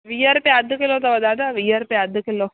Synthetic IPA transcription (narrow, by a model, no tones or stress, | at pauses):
ʋijəɾpeɐd̪ʱkelot̪ɐʋɐd̪aːd̪aʋijəɾpeɐd̪ʱkɪlo